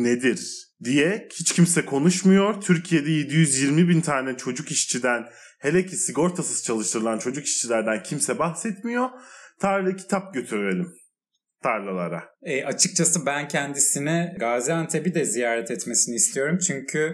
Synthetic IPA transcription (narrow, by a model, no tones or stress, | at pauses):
ned̪iɾ | d̪ijɛhit͡ʃcʰimsɛkʰo̞nuʃmujo̞ɾt̪ʰyɾcʰije̞d̪ɛje̞d̪ijyzjiɾmibint̪ʰaːnɛt͡ʃʰo̞d͡ʒukiʃt͡ʃʰid̪æn | helʲɛcʰisiɡo̞ɾt̪ʰasɯz̥t͡ʃʰalˠɯʃt̪ʰɯɾɯlˠant͡ʃʰo̞d͡ʒuki̥ʃt͡ʃʰilʲæɾd̪æncʰimsɛbaxsɛt̪mijo̞t̪ʰaɾllʲˠcʰi̥t̪ʰap̚ɟø̞t̪ʰyɾyɾelʲim | t̪ʰaɾlʲˠalˠa̰ɾa̰ɛʔat͡ʃʰɯk̚t͡ʃʰasɯbæncʰɛnd̪isinɛɡaːziant̪ʰebid̪ɛzijaːɾɛt̪ʰɛt̪mesiniːslʲijo̞ɾumt͡ʃʰyɲcʰy